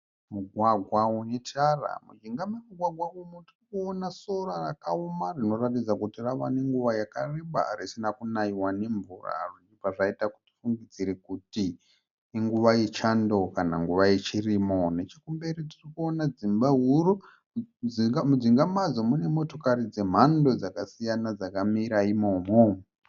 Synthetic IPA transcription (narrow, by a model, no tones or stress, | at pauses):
muɡʱwaɡʱwaunetara̰mud͡ʒiŋɡamemuɡʱwaɡʱwaumutirikuonaso̞ɾarakaumarino̞ratid͡zakutiraʋa̰ne̞ŋɡuʋajakareɓa̰ɾisinakunaiwane̞ɱvura̰ʐid͡ʒipaʐaitaku̥ti̥fuŋɡid͡ziɾekuti | iŋɡuʋajet͡ʃando̞kana̰ŋɡuʋajet͡ʃirimo̞net͡ʃekumbe̞ɾitirikuo̞nad͡zimbaɦuɾu | d͡ziɡamud͡ziŋɡamad͡zomune̞mo̞to̞karid͡zem̤ando̞d͡zakasijanad͡zakamiɾaimo̞mo